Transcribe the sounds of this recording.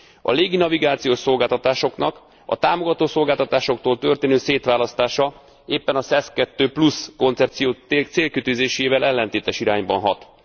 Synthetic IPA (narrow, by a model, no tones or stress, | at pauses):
ɒ̰leːɡinɒviɡaːt̪sijoːʃso̞lɡaːlt̪ɒt̪aːʃo̞knɒk | ɒ̰t̪aːmo̞ɡɒt̪oːso̞lɡaːlt̪ɒt̪aːʃo̞k̚t̪oːlt̪ø̞rt̪eːnøːseːt̪ʋaːlɒst̪aːʃɒ | eːpːɛnɒsɛskɛt̪ːøːplusko̞nt̪sɛp̚t̪sijoːt̪seːlkyt̪yzeːʃeːvɛlɛlːɛnt̪eːt̪ɛʃiɾaːɲbɒ̰nɦɒt̪